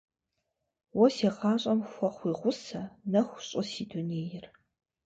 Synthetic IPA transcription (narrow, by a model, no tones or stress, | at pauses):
wɔseːʁɑːɕʼɐmxʷɔχʷiːʁʷʊsɐnɐxʷʊɕʼʊsiːduneːjɪr